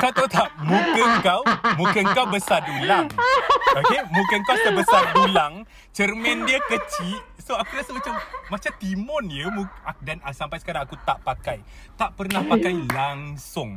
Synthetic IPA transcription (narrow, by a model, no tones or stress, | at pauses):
kat̪at̪aʔmũkəŋkawmũkənkawbəsadulaŋoemũkəŋkawsit̪abəsadulaŋ | t͡ʃərmɛ̃ndiəkət͡ʃiʔsoakuɾasəmat͡ʃamːat͡ʃat̪imɔnjəmũadanasampajsə̥kaɾaŋakut̪aʔpakajt̪aʔpərnahpakajlaŋsʊŋ